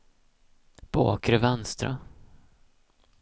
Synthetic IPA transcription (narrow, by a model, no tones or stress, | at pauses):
b̥o̰ːkɾəvɛnst̪ɾa̰